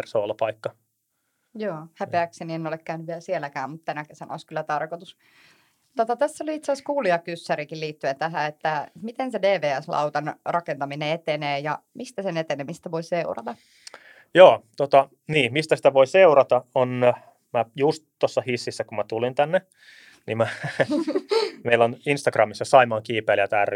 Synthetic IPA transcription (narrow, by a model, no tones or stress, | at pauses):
rsoolːɑpɑikːɑ | joːhæpeæksenienːolekkæynyʋʋieælsielækæːmmut̪ːenækesɑno̰iskylːæt̪ɑrkot̪us | t̪ot̪ɑt̪æsːoliit̪seɑskuːliɑkysːæɾikilliːt̪ːyent̪æɦæet̪ːæmit̪ensedeːʋeːæslɑ̰wt̪ɑnrɑkent̪ɑmineet̪eneːjɑmist̪æsenet̪enemist̪æʋoiseurɑ̰t̪ɑ | joːt̪ot̪ɑ | niːmist̪æsi̥t̪æʋoiseuɾɑt̪ɑon | mæjust̪t̪ːosːɑhisːisːækumæt̪ulint̪ænːe | nimmæ | meiloninst̪ɑɡrɑmisːɑsɑimɑːŋkiːpeːljɑt̪ær